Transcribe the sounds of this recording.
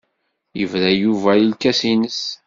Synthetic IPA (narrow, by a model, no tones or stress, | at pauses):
jəvɾæjuvælilkæsinəs